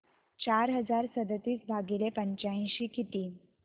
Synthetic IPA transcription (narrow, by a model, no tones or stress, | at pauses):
t͡ɕaɾɦəd͡zaɾsəd̪ət̪iːsbʱaɡilepəɲt͡ɕaĩɕiːkʰit̪iː